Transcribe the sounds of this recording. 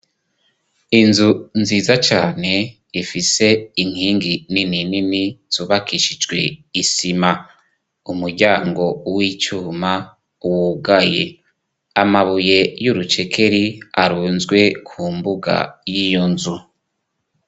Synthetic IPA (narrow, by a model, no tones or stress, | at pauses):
inzunziːzat͡ʃaːne̞ | ifise̞iŋ̥hiːŋɡininininiz̥uːβakʰiʃid͡ʒɡwe̞̰isima | umuɾɟaːŋɡo̞wit͡ʃuːma | uwuɡajḛ | amaβuje̞juɾut͡ʃe̞kʰe̞ɾiaɾuːnzɡwe̞kʰuːmbuɡa̰jijonzu